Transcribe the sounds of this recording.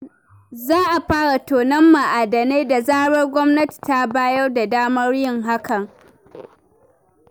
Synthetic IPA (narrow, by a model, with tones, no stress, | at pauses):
zaː˦ʔa˨ɸaː˦ɽa˨toː˨nɐ˦mːa˨ʔa˨dɐ˨neː˦da˨zaː˦ɽɐ˦rɡʷɔ˦mnɐ˦ti̥˨ta˦baː˦jɐ˦rda˨daː˦mɐ˦rjɪ˦ŋɦa˦kʰɐ˨ŋ